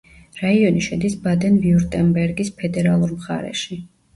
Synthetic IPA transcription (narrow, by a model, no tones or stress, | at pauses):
ɾaiɔniʃɛd̪isbad̪ɛnviuɾt̪ʼɛnbɛɾɡispʰɛd̪ɛɾalˠuɾmχa̰ɾɛ̰ʃi